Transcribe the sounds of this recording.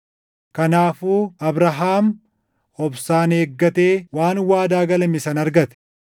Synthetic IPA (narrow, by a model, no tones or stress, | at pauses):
kɐnaːfuːɐbɾɐɦaːm | ɔbsaːneːɡːɐt̪eːwaːnwaːd̪aːɡɐlɐmɪsɐnɐɾɡɐt̪ɛ̥